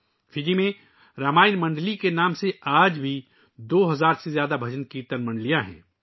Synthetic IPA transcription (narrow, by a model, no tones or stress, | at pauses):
fɪd͡ʒimẽ | ɾaːmaːɪnmɐ̃ɳɖlikenaːmseaːd͡ʒbʱi | d̪oːɦɐzaːɾsezjaːd̪abʱɐd͡ʒənkit̪ɐnmɐ̃ɳɖlijãɦɛ̰̃ː